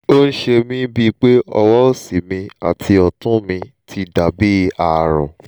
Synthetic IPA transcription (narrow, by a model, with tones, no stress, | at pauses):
o˦n̩˦ʃe˧mĩ˦bi˦k͡pe˦ɔ̰˧wɔ˦o˦˨si˨mĩ˧a̰˨tʰi˧ɔ˨tũ˦mĩ˧tʰi˧da˨be˦˧a˨ɾɔ̰̃˨